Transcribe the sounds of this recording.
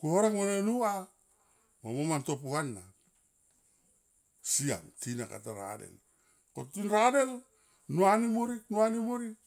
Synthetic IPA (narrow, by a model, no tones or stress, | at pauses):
kuoɾaŋmonenua | momomantop̬uanːa | sia̰ŋtinaka̰taɾa̰dḛl | kotinɾadel | nuanimoɾinuanimoɾi